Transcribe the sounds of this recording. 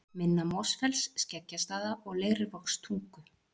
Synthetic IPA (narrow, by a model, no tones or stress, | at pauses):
mɪnːamɔsfɛlsːcɛcːast̪aːðaʔɔɣleːɣɾɪvɔkst̪ʰuŋkʏ